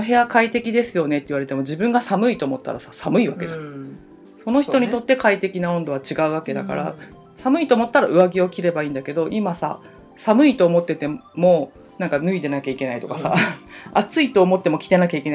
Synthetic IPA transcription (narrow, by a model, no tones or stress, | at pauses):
oɦe̞jakait̪e̞kʲid̪e̞sɨjo̞ne̞t̪ːeiɯβaɾe̞t̪e̞mo̞d͡ʑibɯ̟̃ŋɡasamɯ̟it̪o̞ːmo̞t̪ːa̰ɾa̰sḁsamɯ̟iβake̞d͡ʑã | so̞no̞çit̪o̞ɲ̟it̪o̞t̪ːe̞kait̪e̞kʲinaõ̞nd̪o̞at͡ɕiɡaɯ̟βake̞d̪a̰ka̰ɾa̰ | samɯ̟it̪oːmo̞t̪ːaɾaɯ̟βaɡʲio̞kʲiɾe̞baĩːnd̪ake̞d̪o̞ʔimasa̰ | samɯ̟it̪o̞ːmo̞t̪ːe̞t̪e̞mo̞ | nãŋkanɯ̟id̪e̞nakʲaike̞nait̪o̞kasa̰at͡sɨit̪o̞ːmo̞t̪ːe̞mo̞kʲi̥t̪e̞nakʲaike̞na